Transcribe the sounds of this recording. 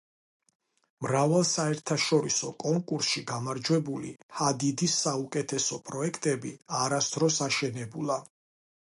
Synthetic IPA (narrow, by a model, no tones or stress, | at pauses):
mɾavalˠsaɛɾt̪ʰaʃɔɾisɔkʼɔŋkʼuɾsʃiɡamaɾd͡ʒwɛbulḭhad̪id̪isːaukʼɛt̪ʰɛsɔpʼɾɔɛkʰt̪ʼɛbiaɾasd̪̥ɾɔsaʃɛnɛbulˠa